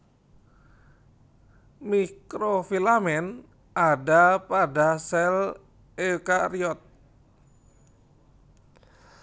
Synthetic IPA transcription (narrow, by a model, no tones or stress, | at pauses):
mikɾofilamɛn | adapadasɛl | ekaɾiɔt̪̚